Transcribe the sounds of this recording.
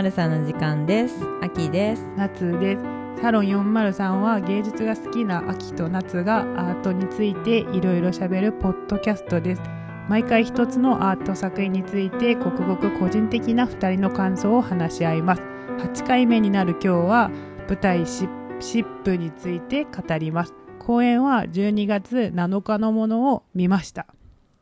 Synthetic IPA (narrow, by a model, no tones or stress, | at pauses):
ɾɯ̟sãnːoʑikãnd̪e̞sakʲid̪esɨ̥nat͡sɨd̪e̞sɨ̥ | saɾõ̞ɰ̃jõ̞mːaɾɯ̟sãɰ̃βaɡe̞ːd͡ʑɨt͡sɨɡasɨ̥kʲinaʔakʲi̥t̪o̞nat͡sɨɡaaːt̪o̞ɲ̟it͡sɨit̪e̞ʔiɾo̞iɾo̞ɕabe̞ɾɯ̟po̞d̪̥ːo̞kʲasɨ̥t̪o̞d̪e̞sɨ̥ | maikaiçi̥t̪o̞t͡sɨno̞ʔaːt̪o̞sakɯ̟iɲ̟it͡sɨit̪e̞ko̞kɯ̟ɡo̞kɯ̟ko̞ʑĩnt̪e̞kʲinaɸɯ̟̥t̪aɾʲino̞kãɰ̃so̞ːhanaɕiaimasɨ̥ | hat͡ɕi̥kaime̞ɲ̟inaɾɯ̟kʲo̞ːβab̥ɯ̟t̪aiɕiɕipːɯ̟ɲ̟it͡sɨit̪e̞kat̪aɾʲimasɨ̥kʰo̞ːẽ̞ɰ̃βad͡ʑɨːɲ̟iɡat͡sɨnano̞kano̞mo̞no̞ːmʲimaɕi̥t̪ḁ